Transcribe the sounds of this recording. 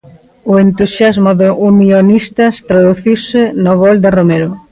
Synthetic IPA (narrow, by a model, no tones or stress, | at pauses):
ʊent̪usjazmʊðoʔunjonist̪ast̪ɾaðuθiwsɪnoβɔld̪ɪromeɾʊ